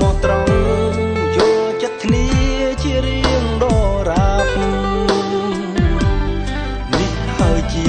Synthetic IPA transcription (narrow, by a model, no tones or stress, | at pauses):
mɔːt̪rəŋ | joːlt͡ɕət̪̚kʰniəət͡ɕiəɾiəŋɗɑːraːpʰu | nih | haəjt͡ɕi